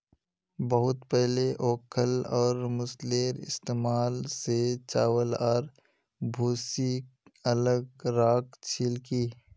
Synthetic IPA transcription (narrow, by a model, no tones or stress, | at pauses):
bəɦʊt̪pɛɦleʔoːkʰəlɔːɾmʊsleːɾɪ̰st̪eːmaːlset͡ʃaːwəlaːɾ | bʱuːsiɐləɡɾaːkt͡ʃʰiːlkiː